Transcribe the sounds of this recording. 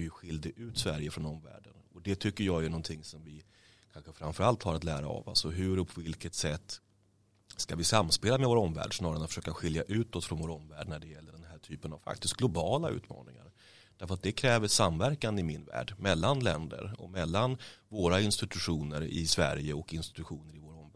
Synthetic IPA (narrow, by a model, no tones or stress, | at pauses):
jɵɧɪld̪ɪʔʉ̟ːt̪svæɾjəfɾɔnɔmvæ̰ːɖənɔd̪ɛt̪ʰʏkːəjɑːjɵnɔnt̪ʰɪŋːsɔmvɪ | kʰanɧəfɾanfœɾalt̪haɾat̪læːɾa̰a̰va̰sɔɦɵɾɔpʰɔvɪlkət̪sɛt̪ː | skavɪsamːspeːlamɛvoːɾɔmvæ̰ːɖsnɑːɾaɾnat̪fə̥ʂøːkaɧɪljaʔʉ̟ːt̪ɔt̪fɾɔnvoːɾɔmvæːɖnæɖɛjɛlːəɖɛnhɦæːʈʰyːpənavfa̰k̚t̪ɪst̪ɡlʊbɑːlaʉ̟̰ːt̪mɑ̰ːnɪ̰ŋa̰ɾ | d̪̥æɾfœɾat̪̚d̪ɛkʰɾɛːvəsamvæɾkanɪmɪnvæ̰ːɖmɛlːanlɛnd̪ə̰ɾɔ̰mɛlːanvoːɾaɪnst̪ɪt̪ɵɧuːnəɾɪ̰svæ̰ɾjəɔkɪnst̪ɪ̥t̪ɵɧuːnəɾɪvoːɾɔmæ